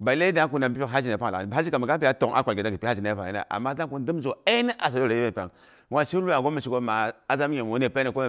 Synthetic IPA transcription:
ba˨i˨le˦da˦ku˦na˨bi˦pi˦˨a˦d͡ʒi˨a˨pa˦ŋ˨la̰˨i˨˦a˦d͡ʒi˦ka˨mi˨ɡa˦pi˦ja˦to˨ŋʔa̰˦kʷa˨lɡe˨da˦ɡi˨pa˦d͡ʒi˨na˨˦pa˨a˦a̰˨ʔa̰˨mːa˦da˦ku˦di˦m˦zo˨a˦nə˦ʔa˨so˨do˦˨a˨ji˦bpa̰˨ŋ | wʷa˦˨ʃi˦lu˦a˨ɡo˦mi˨ʃi˨ɡo˦ma˨a˦za˦mi˦ɲe˨mo˨˦ne˨pe˦e˨ko˦m˨

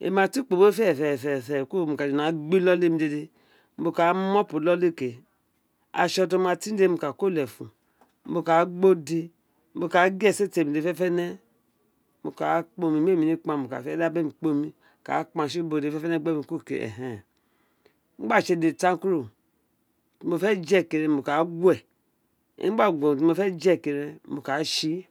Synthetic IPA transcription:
ḛ˨ma˨ti˦k͡po˨bo˦fɛ˦˨fɛ˨fɛ˨fɛ˨ko˦˨mu˨ka˨d͡ʒi˨n˨a˨ɡ͡bi˦lɔ˦le˦˨mi˧˦de˧˨de˧ | m̩˦bo˧ka˨˦mɔ˦pu˨lɔ˦le˦˨ke˨ | a̰˨ʃɔ˧to˦ma˧ti˦de˦mu˧˨ka˨ko˦˨lɛ˨fṵ˨ | m̩˦bo˨ka˨˦ɡ͡bo˦di˧ | m̩˦bo˧˨ka˨˦ɡɛ˦˨se˦te˨mi˨de˨fɛ˦fɛ˦nɛ˦ | mu˨ka˨˦k͡po˧mi˨m˦e˦˨mi˨ni˦k͡pa˨mo˨ka̰˨fɛ˦da˦be˦mi˨k͡po˦mi˦˨ | ka̰˨˦k͡pa˨ʃi˦bo˨de˨fɛ˦fɛ˦nɛ˦˨ɡ͡be˦mi˨˦ko˦˨kḛ˨ʔɛ̰˨ɦɛ˨˦ | m̩˦ɡ͡ba˦˨ʃe˨de˨ta˦ku˦ɾu˨ | mo˨fɛ˦d͡ʒɛ˦˨ke˨ɾɛ˨mo˨ka˨˦ɡʷɛ˨ | ḭ˦ɡ͡ba˦ɡmo˨fɛ˦d͡ʒɛ˦˨ke˨ɾɛ˨mu˨ka˨˦ʃi˦

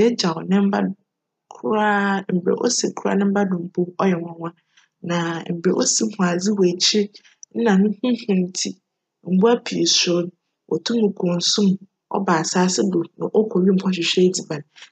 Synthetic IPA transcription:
ɛ˦d͡ʑa˨ɔ˨nɪ̃˦m̩˦ba˦ | kʰʊ˦ɾa˦m̩˨bɾḛ˨ʔɔ̰˦se˨kʰu˦a̰˦nɪ̃˦m̩˦ba˦dʊ̃˨m̩˨bʰo˦ɔ˦jɛ˨wã˦˨wã˦ | nã˨m̩˨bɾe˨ʔo˦si˦˨hũ˨a˨d͡zi˦we˨t͡ɕʰi˦ | n̩˦nã˨nʊ̃˦hĩ˦hʊ̃˨n˨tʰi˦ | m̩˨bu˦a˦pʰi˨sʊ˨˦ | wʔɔ̰˨tʰʊ̃˦mʊ̃˨kʰʊ̃˨n̩˨sũ˦m˨ | ɔ̰˦baː˨saː˦sɪ˦bo˨nʊ̰̃˨ʔɔ˦kʰɔ˨ɥi˦m̩˦pʰɔ˦ɕ̬ᶣɪ˨ɕᶣɛ˦di˨ba˨n˨

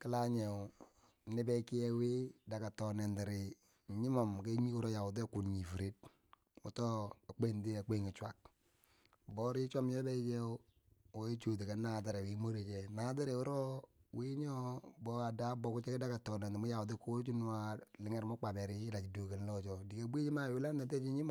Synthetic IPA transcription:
kɪ˦la˦ɲe˨ | nɪ˦bɛ˦ki˦jɛ˦wi˦da˨ka˨tɔ˨nɛ˨ndɪ˨ɾɪ˨ | ɲi˦mɔ˨m˨ke˦ɲi˦ku˦ɾɔ˦ja˨wu˨t̬e˦ku˨ɲi˨fu˨ɾi˦t̚ | ṵ˨tɔ˦a˨k͡pe˦˨ndi˦a˨k͡pe˦˨ŋi˨t͡ʃʷwa˨k̚ | bɔ˦ɾi˦t͡ʃʷa˦m˦ɔ˦bɛ˦t͡ʃe˦ | o˨e˦t͡ʃo˨t̬e˨kɛ˨nːa˨tɪ˨ɾe˨wi˨˦mo˦ɾe˨t͡ʃe˨na˨˦ti˦ɾe˨u˦ɾɔ˦wi˦ɲɔ˦bɔ˦a˨da˦bɔ˨ku˦t͡ʃe˦kda˦ka˨tɔ˨nɛ˨nde˨mu˦ja˨ʊ˨t̬i˦ku˦t͡ʃi˦n˦wa˦lɪ˨ŋɛ˦ɾma˦k͡pa˨bɛ˨ɾi˦la˨t͡ʃi˨do˨ke˨n˦lɔ˦t͡ʃɔ˨di˨ke˨bʷe˦t͡ʃi˦ma˦˨wɪ˦la˦ne˨t̬e˦t͡ʃi˦ɲi˦m˦˨

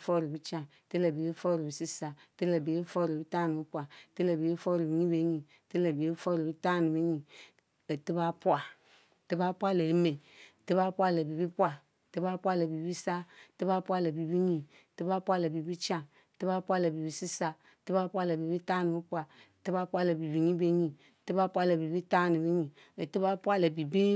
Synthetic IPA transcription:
fɔ˦˨ɾi˨bi˦t͡ʃã˦˨ti˦la˨bi˨˦bi˦fɔ˦ɾi˨bi˨si˦sa˨ti˦la˨bi˨i˦fɔ˦ɾi˨bi˦ta˦nu˨bi˦pʷa˨ti˦la˨bi˨i˦fɔ˦ɾi˨bi˨˦ɲi˦be˦ɲi˨ti˦la˨bi˨e˦fɔ˦ɾi˨bi˦ta˦ni˨bi˦ɲi˨ | ti˦ba˦pu˦a˨ | ti˦ba˦pʷa˦le˨ɾi˦me˨ti˦ba˦pʷa˦˨la˨bi˨bi˦pʷa˦˨ | ti˦ba˦pʷa˦la˨bi˨bi˦sa˦˨ti˦ba˦pʷa˦la˨bi˨bi˦ɲĩ˨ | ti˦ba˦pʷa˦la˨bi˨bi˦t͡ʃã˦˨ | ti˦ba˦pʷa˦˨la˨bi˨bi˦si˦sa˦˨ti˦ba˦pu˦a˦˨la˨bi˨bi˦ta˦ni˨bi˦pu˦a˨ | ti˦ba˦pʷa˦la˨bi˨bi˨ɲĩ˦be˦ɲĩ˨ti˦ba˦pʷa˦la˨bi˨bi˦ta˦ni˨bi˦ɲĩ˨ | e˨ti˦ba˦pu˦a˦la˨bi˨bi˦

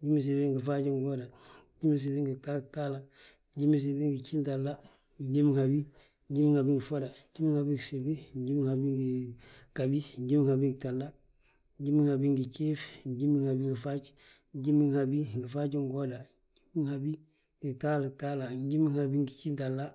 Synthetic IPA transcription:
ɟi˦mi˦s̬e˨bi˦ŋɡi˨fa˦ɟi˦ŋɡo˦da˨˦ɟi˦mi˦s̬e˨bi˦ŋɡi˨ta˦lta˦la˨ | ɟi˦mi˦s̬e˨bi˦ŋɡi˨t͡ʃi˦ntalːa˦ | ɟi˦mi˦ŋhabi˦ | ɟi˦mi˦ŋha˨bi˦ŋɡi˨fo˦da˨ɟi˦mi˦ŋha˨bi˦ɡse˨bi˦ɟi˦mi˦ŋhabi˦ŋɡikabi˦ɟi˦mi˦ŋhabi˦ŋɡtalːa˦ | ɟi˦mi˦ŋhabi˦ŋɡi˨t͡ʃe˦fɟi˦mi˦ŋhabi˦ŋɡi˨fat͡ʃ | ɟi˦mi˦ŋhabi˦ŋɡi˨fa˦ɟi˦ŋɡoda˨ | ɟi˦mi˦ŋhabi˦ | ɡi˨ta˦ltala˨ɟi˦mi˦ŋhabi˦ŋɡi˨t͡ʃi˦ntalːa˦

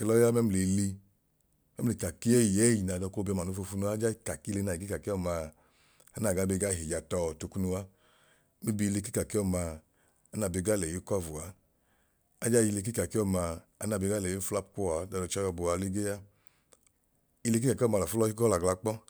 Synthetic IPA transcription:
ke˧lɔ˦a˦mɛ˦m˧le˨˧li˧ | mɛ˦m̩˦˨le˨ka˨ki˦ɛ˦jɛ˦ji˨na˨dɔ˧˨ko˦bi˧ɔ˧ma˨nu˧˦fo˧fu˧˦nu˧a˦d͡ʒa˦i˧˨ka˨ki˦le˧na˨i˨ki˦ka˨ki˦ɔ˦˨ma˧ | a˨˦na˨ɡa˨˦be˧ɡa˦˨ɦi˨ja˧tɔ˧˨to˧ku˦nu˧wa˦ | mi˦bi˧le˧k̬i˦ka˨ki˦ɔ˦˨maː˧˦ | na˨be˧˨ɡa˦lɛ˨i˨˦kʷa˦˨vu˨a˨˦ | a˦d͡ʒa˦i˧le˧k̬i˦ka˨ki˦ɔ˦˨maː˧˨˦na˧˨be˧ɡa˦lɛ˨i˦fla˦pku˦a˨˦da˨˧dɔ˧t͡ʃa˦ja˧bu˧a˨˧˦li˦ɡe˦ja˦ | i˧le˧k̬i˦a˨ki˦ɔ˦˨ma˧la˨fu˦lɔ˧˦i˦ɡɔ˦la˨ɡla˧k͡pɔ˦

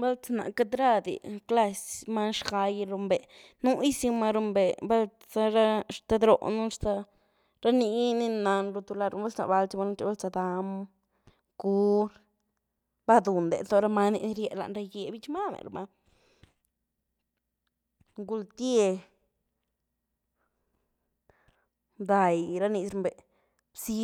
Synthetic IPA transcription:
ba˦lt͡sa˧na̰˨ka˦d̪ɾa˦˧d̪ḭ˨kla˧sma˦ʃa˧jɾu˧mbe˨ | nu˦i˦si˧ma˧ɾu˧mbe˨ba˦lt͡sa˧ɾa˦ʂt̪a˧d̪ɾo̰˨nu˦ɾt̪a˧ | ɾa˦ni˧ni˦˧na˧nɾu˧t̪u˧la˧ɾba˦t͡sna̰˨ba˧lt͡ʃi˧˦ma˧nu˦˧t͡ʃi˧˦ba˦lt͡sa˧d̪a˧m | ɡ̥u˦ɾ | ba˦d̪u˨nd̪ḛ˨to˧˦ɾa˦ma˦nḭ˧ni˧ɾje˧la̰˧ʔnɾa˧jɡe˧bi˦t͡ʃma˦mḛ˨ɾmʔa˧ | ŋɡu˧lt̪je˧ | d̪a˨jɾa˦ni˧sɾu˧mbe˨ | bsi˦

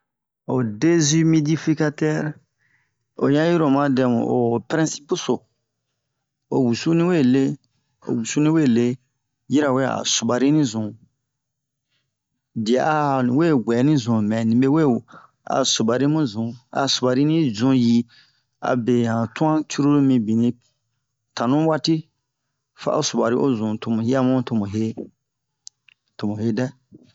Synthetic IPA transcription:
o˨de˦zi˦mi˦di˦fi˦ka˦tɛ˦ɾ | o̰˨jã˦ji˦ɾo˨mã˦dɛ˨mṵ̃˨o˨pɾɛ̃˦si̥˦pu˦so˨ | o˨wu˨su˦nĩ˦we˦˨le˦ | o̰˨wu˨su˦nĩ˦we˦˨le˦ | ji˦ɾa˨we˦a̰˨su˨ba˨ɾi˦nĩ˦zũ˨ | di˨a˨a˦˨nĩ˨we˦˨ɡʷɛ˨˦nĩ˦zũ˨mɛ̃˨nĩ˨be˦we˦˨ | a̰˨su˨ba˨ɾi˦mũ˦zũ˨a̰˨su˨ba˨ɾi˦nĩ˦zũ˨ji˨ | a̰˨be˨hã˨tũ˦ã˦t͡ʃu˦ɾu˦mĩ˧bi˨nĩ˧ | tã˨nũ˦wa˦ti˦ | fa̰˦ʔo̰˦su˨ba˨ɾi˦ʔo˦zũ˨to˨mũ˨hi˦a˦mũ˦to˨mũ˨ɦe˦ | to˨mũ˨he˦dɛ˦

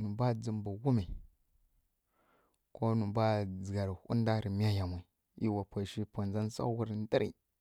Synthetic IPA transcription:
nu˨ba˦d͡zi˨mba˨wu˦ma˨ | ko˦nu˨ba˦d͡zɡa˨ɾhṵ˦n˦da˦ɾi˨mi˦a˦ja˨mʷ˨a˨ | i˦wa˨pwa˨ʃi˦po˨nza˦n˦sa̰˦wu˦ɾn˦di˦ɾḭ˨

